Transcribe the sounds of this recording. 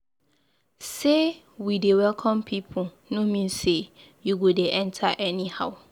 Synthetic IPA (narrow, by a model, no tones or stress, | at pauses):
se | widewɛlkʰɔ̃mpʰipʰʊ | nʊ̃mĩnse | juɡodeʔɛ̃ntʰaʔɛnĩhaʊ